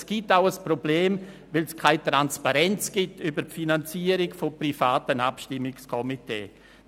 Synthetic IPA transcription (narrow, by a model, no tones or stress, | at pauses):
sɡ̥itaʊəsprobleːm | vɪlskʰaɪtɾanspaɾɛnt͡sɡ̥ɪtybəɾpfinant͡siːəɾɪɡfoprifaːtənapʃtɪmːɪkskʰɔmitḛː